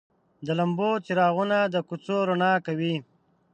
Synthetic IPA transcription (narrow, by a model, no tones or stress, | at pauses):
d̪əlambot͡siɾɑːɣunad̪əkut͡soɾonɑːkawi